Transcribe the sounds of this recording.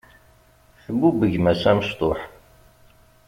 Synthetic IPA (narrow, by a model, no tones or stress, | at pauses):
θəbːubəʝmæsæməst̪ˤoħ